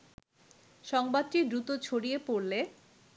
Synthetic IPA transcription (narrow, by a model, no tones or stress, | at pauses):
ʃɔŋbad̪̚ʈid̪ɾut̪ot͡ɕʰoɽiepoɾle